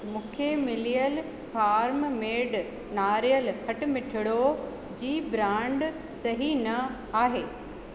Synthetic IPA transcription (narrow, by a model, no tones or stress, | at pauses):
mũːkʰemɪlijəl | faːɾmmeːɖ | naːɾijəlkʰɐʈ̆mɪʈʰɪɽo | d͡ʑiːbɾãːɳɖ | sɐɦinɐ | aːɦeː